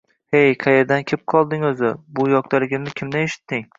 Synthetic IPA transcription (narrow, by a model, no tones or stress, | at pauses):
hejqʰɑjeɾd̪ankʲʰɪp̚qʰɒlˠd̪ɪŋɵzɪbʊjɒq̚t̪alɪɡʲɪmnɪkʲʰɪmd̪aneʃɪ̥t̪ːɪŋ